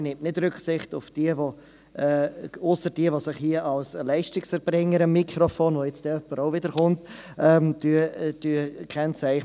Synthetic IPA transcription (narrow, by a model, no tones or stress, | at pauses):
nɪmtnɪdɾʏkχsɪχtʊfd̥iəʋo | ɛːʊsəɾd̥iəʋosɪχhiəʔɑlslɛɪʃtɪksəɾb̥ɾɪŋːəɾəmːikʰɾɔfoːnʋojɛt͡sd̥ɛœpːəɾoʊvɪdəɾχʊnt | ɛmdyəd̥yəkʰɛnt͡sæɪχ